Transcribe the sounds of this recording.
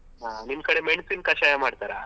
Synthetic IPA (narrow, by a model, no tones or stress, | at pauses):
ɦaninkɐɽemeɳsinkɐʃajamaːɽt̪aɾa